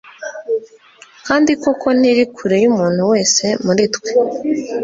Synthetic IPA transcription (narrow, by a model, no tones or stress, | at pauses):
kaːndikokʰo̞n̥iɾikʰuɾejumuːn̥huwe̞ːse̞muɾitwe